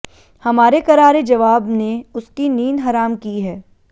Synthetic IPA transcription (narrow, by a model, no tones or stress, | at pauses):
hɐmaːɾekɐɾaːɾed͡ʒɐʋaːbneʊskiniːnɦaɾaːmkiɦɛː